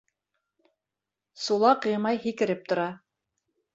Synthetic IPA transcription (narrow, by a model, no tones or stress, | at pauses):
sulˠɑqɤjmɑjɦikɘ̆ɾɘp̚t̪ŏɾɑ